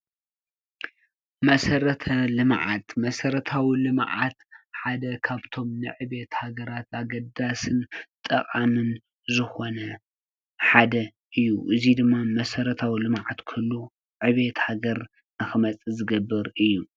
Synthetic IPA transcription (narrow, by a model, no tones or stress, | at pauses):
mɐsɐɾɐt̪ʰɐlɨmʕa̰t̪mɐsɐɾɐt̪ʰawilɨmʕa̰t̪ħad̪ɐkʰaβt̪ʰo̞mnɨʕɨβe̞t̪haɡɐɾat̪ʰaɡɐd̪asɨnt̪ʼɐχʼanɨn | zɨxo̞nɐ | ħad̪ɐ | ʔɨjːuʔɨzid̪ɨmːamɐsɐɾɐt̪ʰawilɨmʕat̪kʰɨlːu | ʕɨβe̞t̪haɡɐɾ | ɨxɨmɐt͡sʼɨzɨɡɐbːɨɾɨjːu